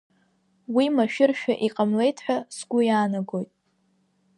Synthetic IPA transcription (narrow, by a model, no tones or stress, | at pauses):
wimaʃᶣɪrʃᶣa̰ʔiqʼamle̞jtʰħʷᶣasɡʷʊjaːnaɡo̞jtʼ